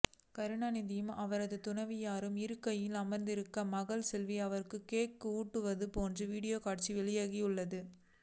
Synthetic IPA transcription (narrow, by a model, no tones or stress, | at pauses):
kɐɾɯɳɐnɪðɪjɯmɐʋɐɾɐðɯt̪ʊnɐʋijaːɾɯmɪɾɯkːɐjɪlɐmɐɾnd̪ɪɾɯkːɐmɐɣɐɭsɛlʋiɐʋɐɾɯkːɯkeːkːɯuːʈːɯʋɐðɯpoːndrɯʋiːɽɪjoːkaːʈ̚t͡ʃiʋɛɭɪjaːɣijɯɭːɐðɯ